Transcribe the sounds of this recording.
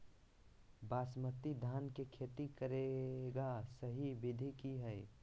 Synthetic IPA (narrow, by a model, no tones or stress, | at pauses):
baːsmət̪id̪ʱaːnkekʰeːt̪ikəɾeɡasəɦibɪd̪ʱikiɦɛe